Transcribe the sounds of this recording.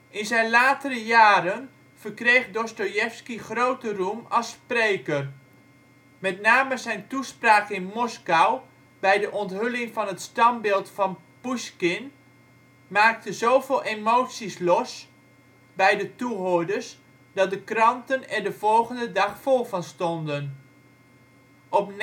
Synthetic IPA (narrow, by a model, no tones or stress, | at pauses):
ʔɪnzɛjnlaːtərəjaːɾən | v̥ərkrejχdɔstojɛfskiχrowtərumɑlˠsprejkər | mɛtnaːməzɛjntuspraːkəɪnmɔskaw | bɛjdəʔɔntɦʏlɪŋvɑnɦətstɑmbɪːlˠtfɑn | puskɪn | maːk̚təzowvɪːlˠʔemowtsislɔs | bɛjdətuɦoədərs | dɑt̚dəkrɑntənɛndəv̥ɔlˠχəndədɑχfɔlˠvɑnstɔndən | ʔɔpn